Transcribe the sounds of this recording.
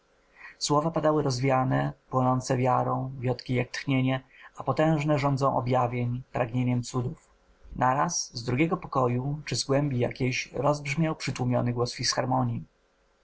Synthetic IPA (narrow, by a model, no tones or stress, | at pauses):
swɔvapad̪awɘɾɔzvʲjanɛpwɔnɔnt̪sɛvʲjaɾɔ̃w̃vʲjɔt̪kʲijak̚t̪xɲeɲɛapɔt̪ɛ̃w̃ʐnɛʐɔ̃nd̪zɔ̃w̃ʔɔ̰bʲjavʲjeɲpɾaɡɲeɲɛmt̪sud̪uf | naɾasːd̪ɾuɡʲɛɡɔpɔkɔjut͡ʂɘzɡwɛmbʲija̰kʲejɕɾɔzbʐmʲjawpʂɘt̪wumʲjɔ̰nɘɡwɔsfʲisxaɾmɔɲi